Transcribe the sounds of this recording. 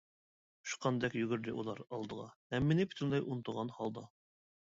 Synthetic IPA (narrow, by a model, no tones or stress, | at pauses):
u̥ʃqɑnd̪ɛkjyɡʲyɾd̪ɪʔṵlˠɑɾɑlˠd̪ɤʁɑ̰hɛmːinɪpʰy̥t̪ʰɪnlˠɑjʔunt̪uʁɑnhɑlˠd̪ɑ